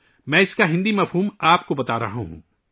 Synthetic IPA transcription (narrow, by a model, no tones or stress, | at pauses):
mɛ̃ːɪskaɦɪ̃nd̪imɐfɦuːmaːpkobɐt̪aːɾɐ̰ɦãɦṵ̃ː